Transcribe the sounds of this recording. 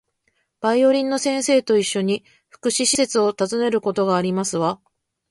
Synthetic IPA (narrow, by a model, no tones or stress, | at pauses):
b̥aio̞ɾʲĩnːo̞sẽ̞ɰ̃se̞ːt̪o̞iɕːo̞ɲ̟i | ɸɯ̟̥kɯ̟ɕiɕise̞t͡sɨo̞t̪azɨne̞ɾɯ̟ko̞t̪o̞ɡaːɾʲimasɨβa